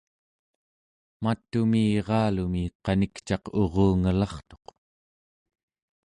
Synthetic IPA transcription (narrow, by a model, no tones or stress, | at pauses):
mat̪ːumiːʁɑːlumiqɑnikt͡ʃɑqo̞ʁoːŋalɑχt̪o̞q